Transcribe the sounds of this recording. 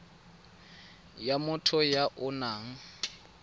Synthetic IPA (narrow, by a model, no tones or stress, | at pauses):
jamʊtʰɔjaʔʊnaːŋ̩